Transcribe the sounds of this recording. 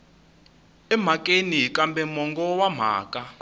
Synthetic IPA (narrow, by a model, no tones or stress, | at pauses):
ɛm̤akʼeniɦkʼambɛmɔŋɡɔwam̤a̰ːkʼa